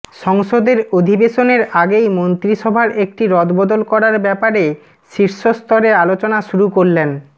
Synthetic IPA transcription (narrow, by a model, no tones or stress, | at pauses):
ʃɔŋʃod̪eɾod̪ʱibeʃoneɾaɡejmont̪ɾiʃɔbʱaɾek̚ʈiɾɔd̪bɔd̪olkɔɾaɾbɛpaɾe | ʃiɾʃost̪ɔɾealot͡ɕonaʃuɾukoɾlen